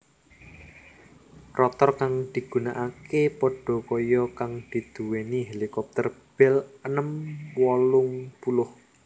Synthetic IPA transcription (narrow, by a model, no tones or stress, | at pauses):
rɔt̪ɔrkaŋd̪̥i̤ɡ̥unaʔakepɔɖ̥ɔ̤kɔjɔkaŋd̪̥i̤d̪̥ṳweniɦelikɔp̚t̪ərb̥ɪlənəmwɔlʊŋpulʊh